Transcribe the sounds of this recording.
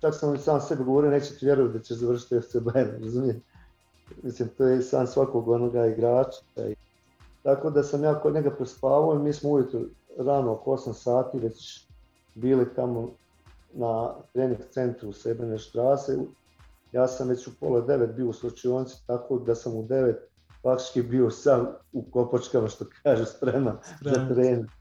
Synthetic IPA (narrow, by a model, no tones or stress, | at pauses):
t͡ʃaksamosaːmse̞biɡoʋoɾioneːt͡ɕe̥t̪iʋje̞ɾoʋat̪̚d̪at͡ɕeʃzaʋr̩ʃ̬i̥t̪eft̪sebeenɾazumijem | misliːmt̪oːjesa̰ːnsʋakoːɡonoɡaːiɡɾaːt͡ʃi̥a̰i | t̪ako̞ːd̪asamjaːkoɲeɡapɾespaːʋaoimiːsmouʋjet̪ɾoɾanookoo̞samsaːt̪iːʋe̞t͡ɕ | biːlit̪amo̞ | nat̪ɾeːniŋɡt̪se̞nt̪ɾusebeneʃt̪ɾaːse | jaːsamʋet͡ɕupo̞lad̪e̞ʋet̪̚bio̞uslˠot͡ʃijoːnsi̥t̪akoːd̪asamud̪e̞ʋe̞t̪̚ | pɾak̚t̪i̥t͡ʃkibio̞sauko̞pot͡ʃkamaʃt̪o̞kʰaːʒuspɾemanzat̪ɾeːni